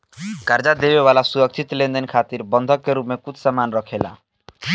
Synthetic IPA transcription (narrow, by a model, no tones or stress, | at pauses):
kaɾd͡ʒad̪ebewalasuɾɔk̚t͡ʃʰit̪lend̪enkʰat̪iɾbɔnd̪ʱɔkːeɾumekut̪samanɾɔkʰela̰